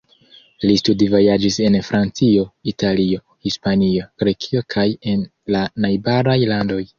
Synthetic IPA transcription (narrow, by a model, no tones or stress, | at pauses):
listudivo̞jad͡ʒise̞nfɾant͡sio̞itʰalio̞ | hispanio̞ɡ̥ɾe̞kʰio̞kʰaje̞n | lanajbaɾajlando̞j